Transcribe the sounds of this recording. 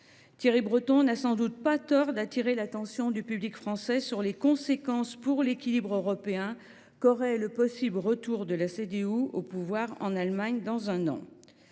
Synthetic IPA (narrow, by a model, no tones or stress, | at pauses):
t̪jeʁibʁət̪ɔ̃nasɑ̃d̪ut̪̚pat̪ɔʁd̪at̪iʁelat̪ɑ̃sjɔ̃d̪ypyblikfχɑ̃sɛsyʁlekɔ̃sekɑ̃spuʁlekʲilibʁøʁɔpeɛ̃ | kɔʁɛləpɔsibləʁət̪uʁd̪əlased̪euopuvwaʁɑ̰̃nalmaɲd̪ɑ̃zɛ̃nɑ̰̃